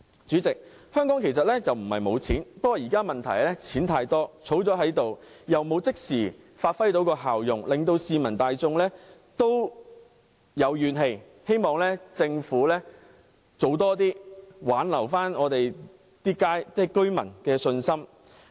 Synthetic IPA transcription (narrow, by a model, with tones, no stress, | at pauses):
t͡syː˨˥t͡sɪ˨k̚ | hœː˥ŋkɔː˨˥ŋkʰe˨˩js̬ɐ˨t̚lɛː˥t͡sɐ˨wm̩˨˩hɐ˨jmo˨˧wt͡sʰiː˨˥npɐ˥wɔː˨˧jiː˨˩kaː˥mɐ˨nt̪ʰɐ˨˩jlɛː˥t͡sʰiː˨˥nt̪ʰaː˧jt̪ɔː˥t͡sʰo˨˥wt͡sɔː˨˥ɦɐ˨˥jt̪o˨w | jɐ˨˩wmo˨˧wt͡sɪ˥k̚siː˨˩ | faː˧t̚fɐ˥jt̪̬o˨˥wkɔː˧ɦaː˨wjʊ˨˩ŋlɪ˨ŋt̪o˧wsiː˧mɐ˨˩nt̪aː˨jt͡sʊ˧ŋlɛː˥ | t̪o˥w | jɐ˨˧wjyː˨˩nɦe˧j | he˥jmɔː˨˩ŋlɛː˥t͡sɪ˧ŋfuː˨˥lɛ˥ | t͡so˨˧wt̪ɔː˥t̪iː˥waː˨˥nlɐ˨˩wfaː˥nɔː˨˧t̪e˨j | t̪iː˥kaː˥jt͡s̪ɛː˥kɵ˥ɥmɐ̰˨˩nkɛː˧sɵ˧nsɐ˥m